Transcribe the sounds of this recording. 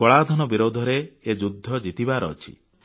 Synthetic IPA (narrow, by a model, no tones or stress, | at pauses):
ɔɭad̪ʱɔnɔbiɾod̪ʱɔɾeːd͡ʒud̪ʱːɔd͡ʒit̪ibaɾɔːt͡ʃʰi̥̰